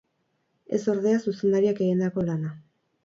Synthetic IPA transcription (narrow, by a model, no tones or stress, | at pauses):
e̞̰so̞ɾðe̞asuse̞nd̪aɾiake̞ɣind̪ako̞lana